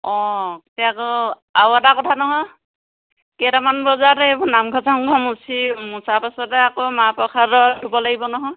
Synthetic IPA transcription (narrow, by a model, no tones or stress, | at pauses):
ɔ̃ktɛakɔ | awatakɔtʰanɔɦɔj | kɛɾamanbɔzaɾebɔnamɡʱɔzaɔŋɡʱɔmusʰimusapasɔtɛakomapɹɔkʰaɹɔdʱubɔlaɡibɔnɔɦɔj